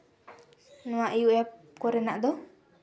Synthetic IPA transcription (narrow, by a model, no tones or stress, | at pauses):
nɔ̃waʔijuʔjap | kɔɾɛnaʔd̪ɔ